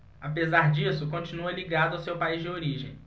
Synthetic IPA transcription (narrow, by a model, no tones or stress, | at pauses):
apezaɾd͡ʒisʊkõt͡ʃinuɐliɡad̪ʊawsewpaizd͡ʒɪoɾiʒẽj̃